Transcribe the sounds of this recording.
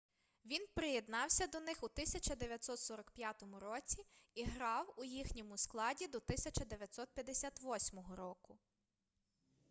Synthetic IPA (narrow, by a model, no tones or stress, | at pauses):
ʋʲinpɾejed̪nɑwsʲɐd̪ɔnɪxut̪ɪsʲɐt͡ʃɐd̪eʋʲjɐt̪ʲsɔt̪sɔɾɐkpʲjat̪ɔmʊɾɔt͡sʲiiɦɾɑwʊjixnʲɔmʊsklˠɑdʲid̪ɔt̪ɪsʲɐt͡ʃɐd̪eʋʲjɐt̪sɔt̪̚pʲjɐd̪esʲat̪ʋɔsʲmɔɦɔɾɔkʊ